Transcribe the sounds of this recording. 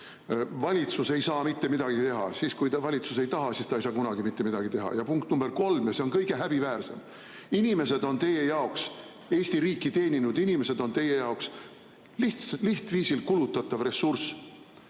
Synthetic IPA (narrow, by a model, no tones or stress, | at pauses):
vɑlʲit̪suse̞jsɑːmit̪ːe̞mid̪ɑɡit̪e̞ɦɑ̰siskujt̪ɑvɑlʲit̪suse̞jt̪ɑɦɑsist̪ɑejsɑːkunɑɡimit̪ːe̞mid̪ɑɡit̪e̞ɦɑ̰jɑpuŋkt̪numb̥e̞ɾko̞lmjɑseo̞nkɤjɡ̥e̞ɦæb̥ivæːrse̞̰m | inime̞se̞d̪̥o̞nt̪e̞je̞jɑoks | e̞ːsʲt̪iɾiːkːˑit̪e̞ːnʲinud̪inime̞se̞d̪o̞nt̪e̞jːe̞jɑoks | liht̪sliht̪viːsilkulut̪ːˑɑt̪ːˑɑvre̞sːurs